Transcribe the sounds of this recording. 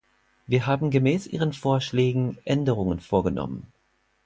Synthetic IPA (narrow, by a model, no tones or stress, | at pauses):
viːɐɦaːbm̩ɡəmɛːsʔḭːʁənfoːɐʃlɛːɡŋ̩ʔɛndəʁ̞ʊŋənfoːɐɡənʔɔ̰mə̰n